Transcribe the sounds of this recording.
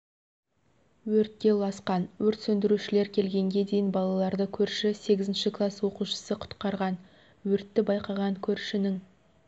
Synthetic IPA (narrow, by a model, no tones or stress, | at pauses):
wɵɾt̪̚ːʲe̞lˠɑsqɑnwɵɾt̪sɵnd̪ɪɾuʃɪle̞ɾkʲʰe̞lɡʲe̞ŋɡʲe̞d̪ejɪnbɑlˠɑlˠɑɾd̪əkʲʰɵɾʃɪse̞ɡʲɪzɪnʃɪklˠaswo̞quʃə̥səqʰʊ̥t̪qɑɾʁɑn | wɵɾt̪ːɪbɑjqɑʁɑŋkʲʰɵɾʃɪnɪŋ